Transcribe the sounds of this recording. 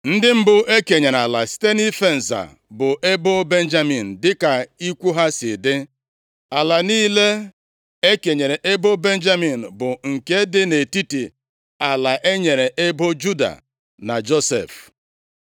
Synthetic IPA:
n̩˦dɪ˦m̩˦bʊ˨ʔe˦ke˨ɲe˨ɾa˨la˨si̥˦te˦ni˦fe˦n̩˨za̰˨ | bʊ˨ʔe˦bo˦be˦n̩˦d͡ʒa˦mi˨n̩˨dɪ˦ka˨i˦kʷu˦ɦa˦sɪ˨de˦ | a˨la˨niː˦le˦ | e˦ke˨ɲe˨ɾe˨ʔe˦bo˦be˦n˦d͡ʒa˦mi˨n̩˨bʊ˨ŋ̩˨ke˦dɪ˦ne˨ti˦ti˨ | a˨la˨ʔe˦ɲe˨ɾe˨ʔe˦bo˦d͡ʒu˦da̰˨ | na˨d͡ʒo˦sḛ˨f

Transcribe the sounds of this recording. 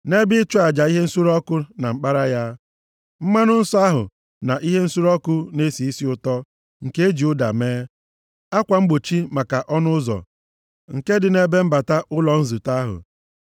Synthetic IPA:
ne˦bɪ˦t͡ʃʊ˦a˨d͡ʒa˨i˦ɦe˦n̩˦su˦ɾɔ˦kʊ˦na˨ŋ͡m̩˦k͡pa˦ɾa˦ja˦ | m̩˦ma˦nʊ˦n̩˦sɔ˦a˦ɦʊ̰˨ | na˨ʔi˦ɦe˦n̩˦su˦ɾɔ˦kʊ˦ne˦si˨i˦si˦ʊ˨tɔ˦ | ŋ̩˨ke˦e˦d͡ʒi˨ʊ˦da̰˨meː˦ | a˦kʷa˨ŋ͡m̩˦ɡ͡bo˨t͡ʃi˦ma˨ka˨ʔɔ˦nʊ˦zɔ̰˨ | ŋ̩˨ke˦dɪ˨ne˨be˦m̩˦ba˨ta˦ʔʊ˦lɔ˨n̩˦zu˨ta˦ɦʊ̰˨

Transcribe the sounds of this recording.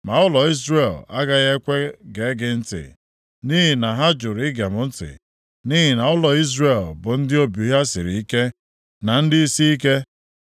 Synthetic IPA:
ma˨ʊ˦lɔ˨i˦zre˨la˦ɡa˦ɣe˦kʷe˦ɡe˨˦ɡɪ˦n̩˦tɪ̰˨ | ni˦ɦi˨na˨ɦa˦d͡ʒʊ˨ɾɪ˦ɡa˨mʊ˨˦n̩˦tɪ̰˨ | ni˦ɦi˨na˨ʊ˦lɔ˨i˦zrɾe˦˨lbʊ˨n̩˦dɪ˦o˦bju˨˦ɦa˦sɪ˨ɾi˨i˦ke˦ | na˨n̩˦dɪ˦i˦si˦i˦ke˦

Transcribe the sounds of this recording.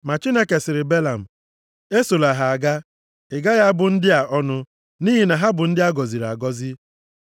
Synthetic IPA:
ma˨t͡ʃi˦ne˦ke˨sɪ˨ɾɪ˨be˦la˨m̩˨ | e˦so˨la˨ɦa˨a˨ɡa˦ | ɪ˨ɡa˦ɣa˦bʊ˨n̩˦dɪ˦a˨ʔɔ˦nʊ˦ | niː˦ɦi˨na˨ɦa˦bʊ˨n̩˦dɪ˦a˦ɡɔ˨zi˨ɾa̰˨ɡɔ˦zɪ˦

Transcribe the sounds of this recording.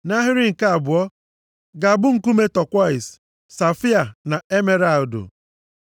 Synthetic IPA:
na˦ɦɪ˦ɾɪ˦ŋ̩˨ka˦a˨bʊ˨ɔ˦ | ɡa˨bʊ˦ŋ̩˨ku˦me˦tɔ˨kʷa˦ɪ˨s | sa˨fi˦a˨na˨e˦me˦ɾa˦˨dʊ̰˨

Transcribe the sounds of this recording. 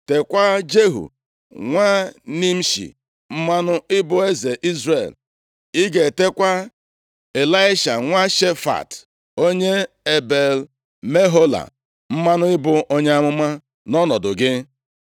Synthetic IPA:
te˨kʷa˦d͡ʒe˦ɦṵ˨ | ŋʷa˦ni˦m̩˦ʃḭ˨ | m̩˦ma˦nʊ˦ɪ˦bʊ˦e˦ze˨ʔi˦zrḛ˨l | i˦ɡe˨te˦kʷa˦ | e˨la˦ɪ˦ʃa̰˨ŋʷa˦ʃe˦fa̰˨t | o˦ɲe˦ | e˨be˨l | me˦ɦo˦la̰˨ | m̩˦ma˦nʊ˦ɪ˦bʊ˨ʔo˦ɲe˦a˦mʊ˦ma˦ | nɔ˦nɔ˨dʊ˨ɡɪ˦

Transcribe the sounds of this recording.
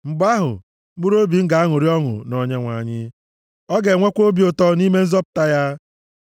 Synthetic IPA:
ŋ͡m̩˨ɡ͡ba˦ɦʊ̰˨˦ | u˦ɾo˦bi˨ŋ̩˦ɡa˨a˦ŋʊ˨ɾi˦ɔ˦ŋʊ̰˨nɔ˨ɲe˦ŋʷa̰˨ɲɪ˦ | ɔ˦ɡe˨ŋʷe˦kʷo˦bi˦o˦tɔ˦ni˦me˦n̩˦zɔ˦pʊ̥˨ta˦ja˦

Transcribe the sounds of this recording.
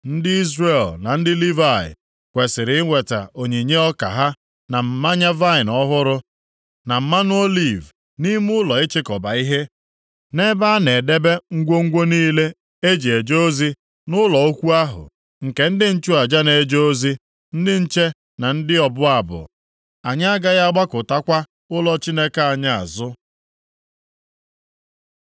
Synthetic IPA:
n̩˦dɪ˦i˦zre˦˨lna˨n̩˦dɪ˦li˦va˦˨ɪ̰˨ | kʷe˨sɪ˨ɾɪ˨˦ŋʷe˨ta̰˨o˨ɲe˨ɲe˦ɔ˦ka̰˨ɦa˦ | na˨m̩˨ma˦ɲa˦va˦ɪ˨nɔ˦ɦʊ˦ɾʊ˦ | na˨m̩˦ma˦n˦o˦li˨v | ni˦mʊ˦lɔ˨ɪ˦t͡ʃɪ˦kɔ˨ba˨i˦ɦe˦ | ne˦ba˦ne˨de˦be˦ŋ̩˦ɡʷo˦ŋ̩˦ɡʷo˦niː˦le˦ | e˦d͡ʒe˨d͡ʒo˦zi˦ | nʊ˦lɔ˨o˦kʷu˦a˦ɦʊ̰˨ | ŋ̩˨ke˨n̩˦dɪ˦n̩˦t͡ʃu˦a˨d͡ʒa˦ne˨d͡ʒo˦o˦zi˦ | n̩˦dɪ˦n̩˦t͡ʃe˦ | na˨n̩˦dɪ˦ɔ˨bʊ˦a˨bʊ̰˨ | a˨ɲa˦a˦ɡa˦ɣa˦a˦ɡ͡ba˦kʊ˨ta˦kʷa˦ | ʊ˦lɔ˦t͡ʃi˦ne˦ka˦a˨ɲa˨a̰˨zʊ˦

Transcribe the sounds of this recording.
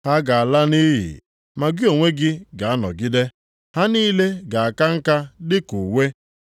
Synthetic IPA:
ha˦ɡa˨a˨la˦ni˦ɦɪ̰˨ | ma˨ɡɪ˦o˨ŋʷe˦ɡɪ˦ɡa˨a˦nɔ̰˨ɡɪ˦de˦ | ha˦niː˦le˦ɡa˨a˨ka˦ŋ̩˦ka˦dɪ˦ku˨we˦

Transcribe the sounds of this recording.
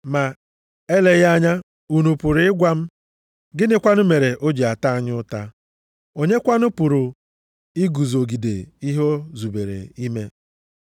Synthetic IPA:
ma˨ | e˦le˨ɣa˦ɲa˦ | u˨nu˨pʊ˨ɾʊ˦ɪ˦ɡʷa˦m̩˦ | ɡɪ˦nɪ˨kʷa˦nʊ˦me˨ɾe˨ʔo˦d͡ʒi˨a˨ta˦a˨ɲ˦ʊ˦ta˦ | o˦ɲe˦kʷa˦nʊ˦pʊ˨ɾʊ˨ | i˦ɡu˨zo˨ɡi˨dḛ˨i˦ɦo˦zu˨be˨ɾḛ˨i˦me˦

